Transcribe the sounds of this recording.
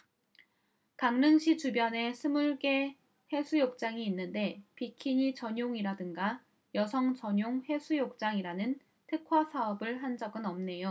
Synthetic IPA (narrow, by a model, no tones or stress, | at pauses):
kaŋnɯŋɕʰitubjʌne̞sʰɯmuɭɡe̞ | he̞sʰujok̚t͡ɕ͈aŋiːnːɯnde̞pikʰiɲit͡ɕʌɲoŋiɾadɯŋɡa | jʌsʰʌŋt͡ɕʌɲoŋhe̞sʰujok̚t͡ɕ͈aŋiɾanɯn | tʰɯkʰwasʰaʌbɯɭɦand͡ʑʌɡɯnʌmne̞jo